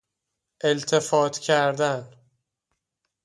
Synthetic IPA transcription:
ʔe̞lt̪ʰefɒːt̪ʰcʰæɾd̪æn

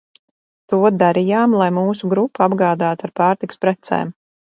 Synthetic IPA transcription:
t̪uɔd̪aɾijaːmlˠajmuːsuɡɾupːuabɡaːd̪aːt̪uaɾpaːɾt̪ikspɾɛt̪sɛ̰ːm

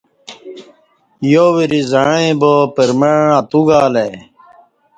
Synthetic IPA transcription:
joːwiɾizaɳẽbopeɾmeɻãt̪uɡaːle

